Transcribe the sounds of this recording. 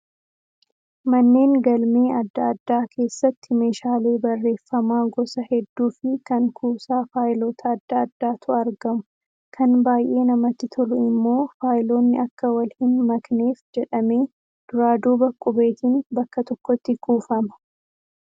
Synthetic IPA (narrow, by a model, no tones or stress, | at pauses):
mɐnːe̞ːŋɡɐlmeːɐd̪ːɐːd̪ːaːkʰe̞ːsːɐt̪ːɪme̞ːʃaːleːbɐrːe̞ːfːɐmaːɡɔsɐhɛd̪ːuːfɪkɐŋkʰuːsaːfaːjlo̞ːt̪ʰɐːd̪ːɐːd̪ːaːt̪ʊɐɾɡɐmʊ | kʰɐnbaːjʔe̞ːnɐmɐt̪ːɪt̪ʰɔlʊɪmːo̞ːfaːjlo̞ːnːɪɐkːɐwɐlhɪnmɐkne̞ːfd͡ʒɛᶑɐme̞ː | d̪̥ʊɾaːd̪uːbɐkʼːʊbe̞ːt̪iːnbɐkːɐt̪ɔkːɔt̪ːɪkuːfɐmɐ̥